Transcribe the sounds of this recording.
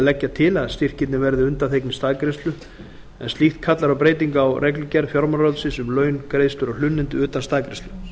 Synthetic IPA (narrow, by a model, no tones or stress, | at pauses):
lɛcːat̪ʰɪlaðst̪ir̥cɪt̪nɪvɛɾðɪʏnt̪aθʰejknɪst̪aːðkɾejst̪lʏ | ɛnst̪iht̪̚kʰat̪laɾawpɾeːjt̪iŋkawrʔɛklʏcɛɾfjɔɾmaɾɾɔlsɪsʏmlœːɥnkɾejst̪lʏɾɔɣl̥ʏnːɪnt̪ʏʏːt̪anst̪aːkɾejsʏ